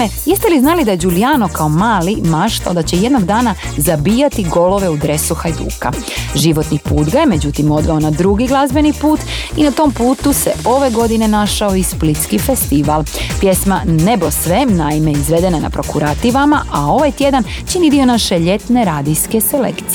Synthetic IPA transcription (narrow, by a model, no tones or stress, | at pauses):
ejest̪eliznaːlid̪aje̞d͡ʑulijaːno̞kao̞maːlimaʃt̪a̰ld̪at͡ɕejed̪noɡd̪aːnazabiːjat̪iɡo̞lo̞ʋe̞ud̪ɾesuxajd̪ṵːka̰ | ʒiʋo̞t̪nipuːd̪ɡajeme̞d͡ʑut̪imo̞d̪ʋeo̞nad̪ɾuɡiɡlˠazbe̞nipuːt̪inat̪o̞mpuːt̪use̞ʔo̞ʋe̞ɡo̞d̪ine̞naʃao̞isplit̪skifest̪iʋalˠpjesmanebo̞sʋemnaimeizʋe̞d̪e̞nana̰pɾo̞kuɾat̪iʋamaʔao̞ʋajt̪je̞d̪ant͡ʃinid̪io̞naʃeʎe̞t̪ne̞ɾaːd̪ijske̞selḛkt̪